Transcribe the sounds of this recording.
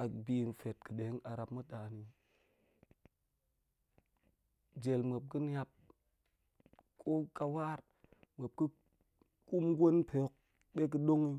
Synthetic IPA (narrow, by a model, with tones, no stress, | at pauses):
a˨bi˨n˨fe˨tkɨ˨ɗe˨˦ŋa˨ɾa˨pmu˦ɗa˨ni˨ | d͡ʒe˨lme˨p̚ki˦n˦ja˦p̚ | kʰo˦ka˨wa˦ɾ | me˨p̚ki˦ | ku˦mɡʷo˦npʰe˨o˦k̚ | ɓe˦k̬i˦ɗo˦ŋi˦